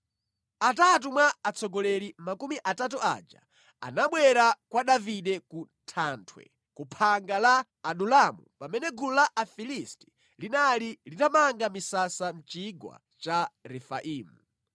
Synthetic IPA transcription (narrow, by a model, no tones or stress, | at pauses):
atat̬umwaːt͡sʰɔɡɔlɛlimakumiʔatat̬ua̰d͡ʒa̰ | a̰naɓwɛɾakwaɗaviɗɛkuntʰaːntʰwɛ̰ | kupʰaŋɡalaː | ɗulamṵpamɛnɛɡululaʔafilisti̥ | linalilitamaŋɡamisasam̩t͡ʃiɡwa̰ | t͡ʃaɾɛfa̰ʔiːmu